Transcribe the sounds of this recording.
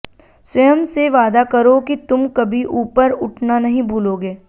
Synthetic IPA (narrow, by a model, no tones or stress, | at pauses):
sɐjəmseʋaːd̪akɐɾokit̪ʊmkɐbʱiʔuːpəɾʊʈʰnanɐɦĩbʱuːloːɡeː